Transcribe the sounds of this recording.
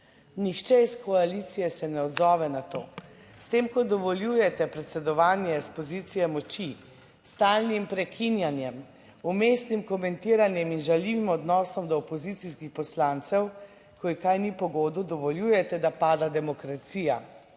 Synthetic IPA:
nixt͡ʃɛiskʰɔalit̪sijɛsɛnɛɔd̪zɔːʋɛnat̪o̰ː | st̪eːmkɔd̪ɔʋɔljuːjɛt̪ɛpɾɛt̪sɛd̪ɔʋaːnjɛspɔzit̪sijɛmɔt͡ʃi | st̪aːlnimpɾɛkʰinjanjɛm | umeːst̪nimkɔmɛnt̪iɾanjɛminʒaliʋimɔd̪nɔːsɔmd̪ɔːpɔzit̪siskixpɔslant̪sɛw | kɔikajnipɔɡoːd̪ud̪ɔʋɔljuːjɛt̪ɛd̪apaːd̪ad̪ɛmɔkɾat̪siːja

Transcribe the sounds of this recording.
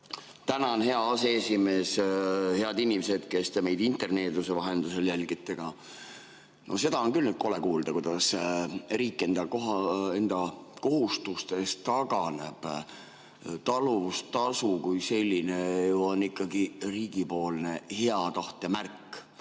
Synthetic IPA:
t̪ænɑonɦe̞ɑɑseesime̞ːshe̞ɑd̪inʲimse̞d̪ke̞st̪eme̞jd̪̥int̪ˑe̞rne̞ːd̪usevɑɦe̞nd̪̥use̞ljælɡ̥it̪ːˑe̞ɡ̥ɑ | nʔo̞̰s̬e̞d̪̥ɑonkylnyd̪̥̚ko̞le̞kuːld̪̥ɑkujd̪̥ɑsriːkˑːe̞nd̪̥ɑkoɦɑe̞nd̪̥ɑko̞ɦust̪ust̪e̞st̪ɑɡ̥ɑne̞b̥ | t̪ɑluvust̪ːɑsukujse̞lʲːine̞juo̞nːikːˑɑɡiriːɡ̥ipo̞ːlne̞he̞ɑt̪ɑht̪ˑɑmærkːˑ

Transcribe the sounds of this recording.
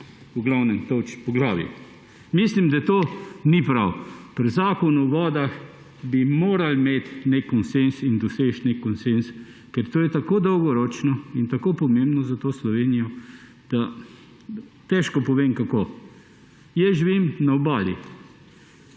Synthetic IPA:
uɡlawnɛnt̪ot͡ʃpɔɡlaːʋjḭ | mislimd̪at̪oːnipɾawpɾzaːkɔnuʋɔːd̪ax | bimoːɾalmeːt̪nekːɔnsensind̪ɔseːt͡ʃnekːɔnsens | kɛɾt̪oːjɛt̪akoːd̪ɔwɡɔɾɔːt͡ʃnɔint̪akoːpɔmembnɔzat̪oːslɔʋeːnijɔ | d̪̥a | t̪ɛʃkɔpɔʋeːmkakoː | jɛʒiʋimnaɔbaːljḭ

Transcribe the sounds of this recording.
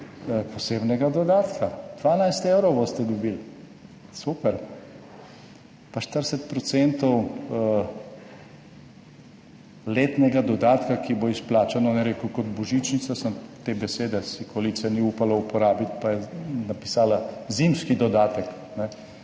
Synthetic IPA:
poseːbnɛɡad̪ɔd̪aːt̪kad̪̥ʋaːnajst̪ewɾɔwbost̪ɛd̪ɔbil | supɛɾ | paʃt̪əɾsɛt̪̚pɾɔt̪sent̪ɔw | leːt̪nɛɡad̪ɔd̪aːt̪kakiboisplaːt͡ʃanɔnɛɾeːkukɔd̪bɔʒit͡ʃnit̪sasəmt̪eːbɛseːd̪ɛsikolit̪sɛniuːpalaupɔɾaːbit̪pajɛnapi̥saːlazimskid̪ɔd̪aːt̪ək | nɛ

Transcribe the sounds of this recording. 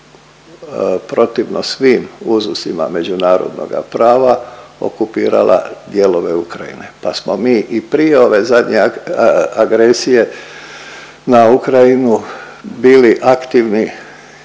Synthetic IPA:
pɾo̞t̪iʋnosʋiːmuzusima̰me̞d͡ʑunaːɾo̞̰d̪no̰ɡa̰pɾaːʋao̰kupiːɾa̰lʔa̰d̪je̞lo̞ʋe̞ukɾajḭne̞pasmomiːʔipɾijeo̞ʋezad̪ɲe | aɡɾesije̞ | naukɾajinu | biːliʔakt̪iːʋni

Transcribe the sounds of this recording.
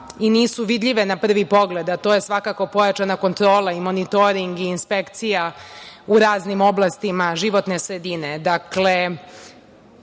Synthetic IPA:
iniːsuʋid̪ʎʲiʋe̞napr̩ʋipo̞ɡle̞d̪at̪oje̞sʋakako̞po̞jat͡ʃanako̞nt̪ɾo̞ːlˠaimo̞nit̪o̞ɾiŋɡiːnspekt̪sijauɾaːznimo̞blˠast̪imaʒiʋo̞t̪nesɾed̪ine̞d̪akle̞

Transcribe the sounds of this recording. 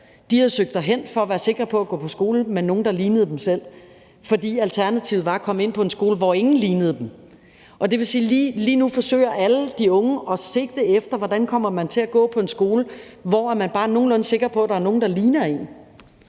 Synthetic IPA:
d̥ihæð̩ˠsøɡ̥̚d̥ɑɦen̰fɒ̽ɒʋæːɐse̝ɡ̥ʁɐpʰɒ̽æɡ̥ɔ̰ːpʰɒ̽sɡ̥o̝ːləmenːo̝ːn̩d̥ɑ̈liːnəð̩ˠd̥emsel̰ | fɒ̽d̥ḭːælt͡sʰæɐnæt͡sʰiʊð̩ˠʋɑ̈kʰɒ̽me̝n̰pʰɒ̽e̝nsɡ̥o̝ːləʋɒe̝ŋn̩liːnð̞̩ˠəd̥em | ɒ̽d̥e̝ʋe̝siːliliːnufɒ̽sø̰ːɪɐʔæləd̥iɔ̽ŋəʔɒ̽se̝̥ːd̥e̝efd̥ɐʋɒd̥ænkʰɒ̽m̰ɐmænt͡sʰe̝æɡ̥ɔ̰̽ːpʰɒ̽e̝nsɡ̥o̝ːlə | ʋɒ̰æmænb̥ɑ̈ːno̝ːn̩lɔ̽n̩se̝ɡ̥ʁɐpʰɒ̽æd̥ɑ̈ɐno̝ːn̩d̥ɑ̈liːnɐe̝̰n

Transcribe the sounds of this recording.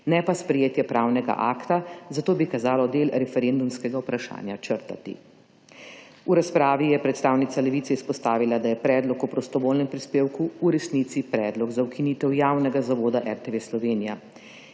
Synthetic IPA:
nɛpaspɾɛjeːt̪jɛpɾawnɛɡa̰ʔaːkt̪azat̪oːbikazaːlɔd̪elɾɛfɛɾend̪umskɛɡaupɾaʃa̰ːnjat͡ʃəɾt̪a̰t̪ḭ | uɾaspɾaːʋijɛpɾɛt̪st̪aːwnit̪alɛʋit̪sɛispɔst̪aːʋilad̪ajɛpɾɛːd̪lɔkupɾɔst̪ɔʋoːlnɛmpɾispeːwkuːɾɛsnit̪sipɾɛːd̪lɔɡzaukiniːt̪ɛwjawnɛɡazaʋoːd̪aʔɛɾt̪ɛʋeːslɔʋeːnija̰

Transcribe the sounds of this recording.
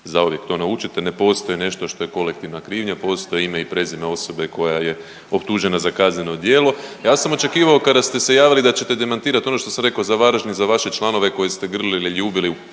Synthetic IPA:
zauʋje̞kt̪o̞naut͡ʃit̪enepo̞st̪o̞jene̞ʃt̪o̞ʃt̪o̞je̞ko̞lek̚t̪iʋnakɾiːʋɲapo̞ːst̪o̞jeimeipɾe̞zimeo̞so̞be̞ko̞jaje | o̞pt̪uʒe̞nazakazɲe̞no̞d̪jeːlo̞jaːsamo̞t͡ʃe̞kiːʋao̞kad̪ast̪e̞se̞jaːʋilid̪at͡ɕe̞t̪ed̪e̞mant̪iːɾat̪o̞no̞ʃt̪o̞samɾe̞kaozaʋaɾʒnizaʋaʃe̞t͡ʃlˠano̞ʋeko̞jest̪e̞ɡr̩liliʎuːbiliu

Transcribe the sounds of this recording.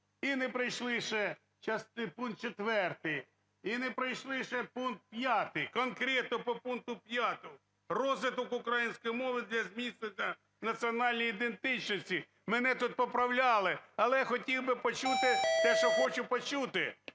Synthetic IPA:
inepɾɪjʃlˠɪʃɛ | t͡ʃɐspunk̪̚t͡ʃet̪ʋɛrt̪ɪj | inɛpɾɪjʃlˠɪʃɛpunk̚t̪̚pʲjɑt̪ɪjkɔnkɾʲɛt̪nɔpɔpunk̚t̪ʊpʲjɑt̪ɔʊ | rɔzʋɪt̪ɔkʊkɾɐjinʲsʲkɔjmɔʋɪd̪lʲɐzʲmʲisʲnenʲːɐ | nɐt͡sʲiɔnɑlʲnʲijid̪ent̪ɪt͡ʃnɔsʲtʲi | mɛnɛt̪ut̪̚pɔpɾɐwlʲɑlˠɪɐlˠɛxɔtʲiwbɪpɔt͡ʃut̪ɪt̪ɛʃt͡ʃɔxɔt͡ʃʊpɔt͡ʃut̪ɪ

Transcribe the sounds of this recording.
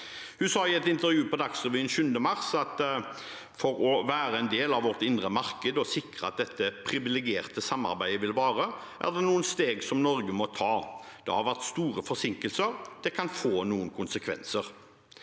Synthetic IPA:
hʉsɑːɪɛt̪ɪnt̪əʁjʉːpɔd̪ɑksʁəʋyːnʃʉnd̪əmɑʁsɑt̪ | fɔɾɔʋæːɾəɛnd̪eːlɑʋɔʁt̪ɪnd̪ʁəmɑɾkəd̪ɔsɪkʁəɑt̪̚d̪ɛt̪ːəpʰʁɪʋɪlɛɡɪeːʁt̪əsɑmːɑ̰ɾbæɪəʋɪlʋɑːʁə | ʔæ̰ʁd̪ɛnuːənst̪eːɡsɔmnɔɾɡəmɔt̪ʰɑːd̪̥ɛ̰hɑʁʋæʁt̪st̪uːɾəfɔsɪŋkəlsəɾd̪̥ɛkʰɑnfoːnuːənkʰʊnsəkʰʋɛ̰nsəʁ

